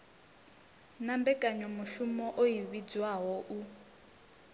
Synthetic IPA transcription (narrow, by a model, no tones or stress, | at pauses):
nambɛkʼaɲɔmuʃumɔʔoɦiβid͡zwaɦɔʔu